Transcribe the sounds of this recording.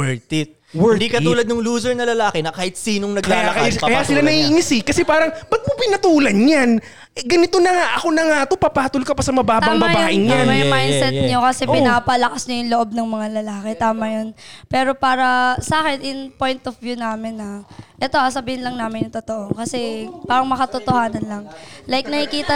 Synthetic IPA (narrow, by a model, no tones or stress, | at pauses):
wɛɹt̪ɪt̪̚wɛd̪ikɐt̪uːlɐd̪̚nʊŋluːsɛɹnɐlɐlaːkɪnɐkaːhɪt̪̚siːnoŋnɐɡlaːlɐkajkɐjasɪlanɐhiʔɪŋɪsɪkɐsɛpaːɾɐŋbɐɡ̚mopɪnɐt̪uːlɐnɲan | ɡɐnɪt̪onɐŋaʔɐkonɐŋat̪opɐpaːt̪olkɐpɐsɐmɐbaːt̪bɐːŋmbabajoʔɪnaɐjmajnsɛɲokɐsɛpɪnapɐlɐkasɲojʊŋloʔo̞b̚nɐŋmɐŋalɐlaːkɛt̪aːmɐjonpɛːɾo̞paːɾɐsaːkɛnʔɪŋpo̞jnt̪ofvjunaːmɪnːɐʔɛt̪o̞ʔɐsɐbiːhɪnlɐŋnaːmɪnjʊnt̪ot̪o̞ʔo̞kɐsɛpaːɾɐŋmɐkɐt̪ot̪ohaːnɐnlɐŋlajk̚nɐkɪkiːt̪ɐ